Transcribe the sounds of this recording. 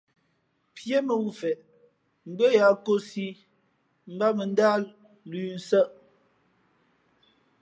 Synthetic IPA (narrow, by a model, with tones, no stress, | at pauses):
pʰje˦mə˨wu˦˨fɛ˨ʔ | m̩˨ɡ͡bə˦ja˨˦ko˦si˦ | m̩˦ba˦mə˨n˦da˦l | lʉ˨n̩˨˦sə˦ʔ